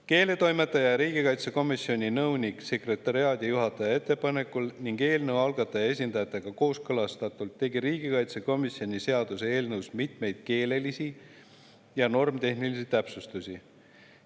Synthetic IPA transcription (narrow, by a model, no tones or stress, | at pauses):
ke̞ːle̞t̪o̞jme̞t̪ːˑɑjɑɾiːɡ̥ikɑjt̪seko̞misːio̞nʲinɤwnʲikse̞kre̞t̪ːˑɑɾiɑːd̪̥ʲijuɦɑt̪ːˑɑjɑe̞t̪ːe̞pɑne̞kːˑulniŋɡe̞ːlnɤwɑlɡ̥ɑt̪ːˑɑjɑe̞s̬ʲind̪ɑjɑt̪ːˑe̞ɡ̥ɑko̞ːskɤlɑst̪ɑt̪ˑult̪ːe̞ɡiɾiːɡikɑjt̪seko̞misːio̞nʲise̞ɑd̪̥usee̞ːlnɤwsmit̪me̞jd̪̥̚ke̞ːle̞lisi | jɑno̞rmt̪e̞ɦnilis̬it̪æpsust̪usʲi